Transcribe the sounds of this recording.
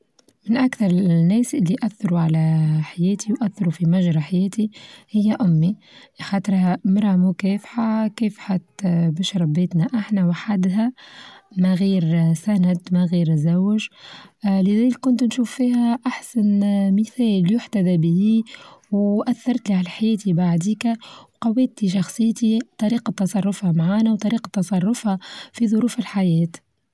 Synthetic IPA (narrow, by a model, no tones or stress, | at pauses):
mɪnʔakθɑɾˤnːɛːsʔɪlːiʔaθːɑɾuʕalæħajɛːt̪ʰiwʔæθːɑɾufimæʒɾˤɑħajɛːt̪ihɪjːæʔʊmːi | xɑːt̪ˤɾˤhamɑɾˤɑmʊkɛːfħakɛːfħat̪bɪʃɾˤɑbeːt̪næʔaħnæwaħad̪ɦæ | mæɣiːɾsænæd̪mæɣiːɾzæwːɪʒ | lɪðæːlɪkːʊnt̪nʃuːfːiːɦæʔaħsanmɪθɛːljʊħt̪æðabɪiwʔæθːɑɾˤt̪liʕalaħajɛːt̪ibaʕd̪iːkæwqɑwːɛːt̪iʃɑxsˤɨjːt̪it̪ˤɑɾiːqɑt̪ːɑsˤɑrˤːʊfhɑmʕaːnawt̪ˤɑɾiːqɑt̪ːɑsˤɑrˤːʊfhafiðˤʊɾuːfɪlħajɛːt̪